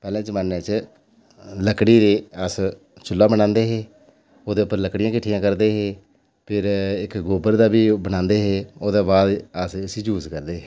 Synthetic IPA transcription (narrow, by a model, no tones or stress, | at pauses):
pɛːlãːd͡ʒəmaːnːẽːt͡ʃ | ləkɽiːɾeːəs | t͡ʃʊlːaːbəɽãːnd̪eːɦeː | oːd̪eːʊpːəɾləkɽɪjãːkɪʈʰːɪjãːkəɾd̪eːɦeː | pʰɪɾɪkɡoːbəɾd̪aːbiːbəñãːnd̪eːɦeːoːd̪eːbaːd̪əsəsiːd͡ʒuːzkəɾd̪eːɦe